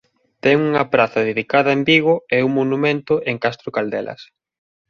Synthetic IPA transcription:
t̪ɛŋuŋɐpɾaθɐðeðikaðɐembiɣʊɛuŋmonumẽnt̪ʊʔeŋkast̪ɾʊkald̪ɛ̰lʔɐ̰s

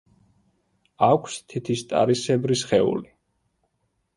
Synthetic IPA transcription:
akʷʰst̪ʰit̪ʰist̪ʼa̰ɾisɛbɾisχɛṵli

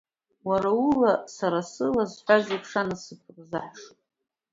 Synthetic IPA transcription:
waɾaulasaɾasɨlazħʷazipʰʂanasɨpʷʰrzaħʂ

